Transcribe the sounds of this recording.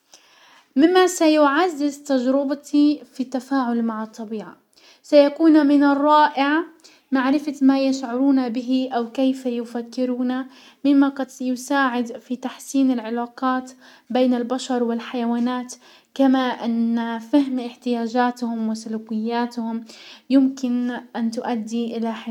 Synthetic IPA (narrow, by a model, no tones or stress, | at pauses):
mɪmːasajʊʕazːɪzt̪ad͡ʒɾɪbat̪ʰifit̪ːafaːʕʊlmaʕɑt̪ˤːɑbiːʕa̰ | sajakuːnmɪnɑrˤːɑːʔɪʕa | maʕɾɪfamajaʃʕʊɾuːnabɪɦɪʔawkejfajʊfakːɪɾuːna | mɪmːaqɑd̪jʊsaːʕɪd̪fit̪aħsiːnɪlʕɪlaːqɑːt̪ | beːnɪlbaʃɑɾˤwɪlħajawaːnaːt̪ | kamaʔɪnːafaɦmʔɪħt̪ɪjaːd͡ʒaːt̪hʊmwɪsʊluːkɪjːaːt̪hʊmjɪmkɪnʔant̪ʊʔad̪ːiʔɪlaħɪ